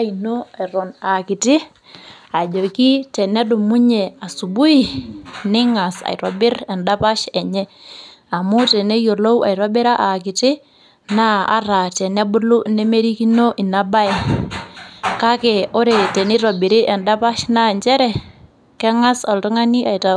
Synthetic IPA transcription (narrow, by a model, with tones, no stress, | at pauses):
i˨no˦a˨ɾɔ˨na˨kɪ˨tɪ˦ | a˨d͡ʒo˨ki˦tɛ˨nɛ˦dʊ˨mu˦ɲɛ˨a˨su˨bu˦i˨nɪ˦ŋa˨sa̰˨ɾɔ˨bɪ˦ɾɛ˨nda˦pa˦ʃɛ˨ɲɛ˦ | a˨mʊ˦tɛ˨nɛ˦jo˨lo˦wa̰˨i˨ɾɔ˦bɪ˦ɾa˦ʔa˨kɪ˨tɪ˦ | na˦a̰˦ɾa˨tɛ˨nɛ˦bʊ˦lʊ˦˨nɛ˦me˦ɾi˦ki˦no˦ʔi˨na˦ba˦ɛ˨ | ka˦kɛ˨ʊ˦ɾe˨tɛ˨nɪ˦ɾɔ˨bɪ˨ɾɪ˦ʔɛ˨nda˦pa˦ʃna˦˨nt͡ʃɛ˦ɾɛ˦ | kɛ˦ŋa˦sɔ˨ltɔ˦ŋa˦ni˦ʔa˨i˨ta˨